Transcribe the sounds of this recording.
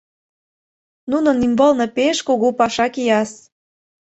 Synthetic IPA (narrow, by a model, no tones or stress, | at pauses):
nunə̆nimbɤlnɤ̆peʃkoɣopɑʃɑkijɑs